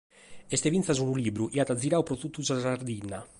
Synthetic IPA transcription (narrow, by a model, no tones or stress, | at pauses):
est̪evinθazunulibɾuʔiat̪ad̪ziɾawpɾot̪ut̪ːuzazaɾd̪ina